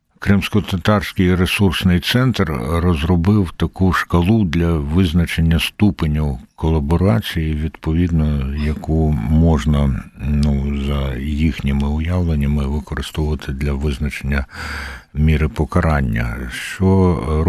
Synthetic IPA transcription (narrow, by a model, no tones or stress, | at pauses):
kɾɪmsʲkɔt̪ɐt̪ɑrsʲkɪjɾesursnɪjt̪sɛnt̪rrɔzrɔbɪwt̪ɐkuʃkɐlˠud̪lʲɐʋɪznɐt͡ʃenʲːɐst̪upenʲiwkɔlˠɐbɔɾɑt͡sʲijiʋʲid̪pɔʋʲid̪nɔjɐkumɔʒnɐnuzɐjixnʲɪmɪʊjaʋlˠenʲːɐmɪʋɪkɔɾɪst̪ɔwʊʋɐt̪ʰɪd̪lʲɐʋɪznɐt͡ʃenʲːɐ | mʲiɾɪpɔkɐɾɑnʲːɐ̰ʃt͡ʃɔ